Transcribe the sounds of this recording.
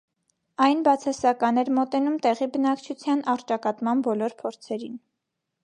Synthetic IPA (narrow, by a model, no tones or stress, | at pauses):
ɑjnbɑt͡sʰɑsɑkɑnɛɾmɔt̪ɛnumt̪ɛʁibənɑkt͡ʃʰut͡sʰjɑnɑɾt͡ʃɑkɑt̪mɑnbɔlɔɾpʰɔɾt͡sʰɛɾin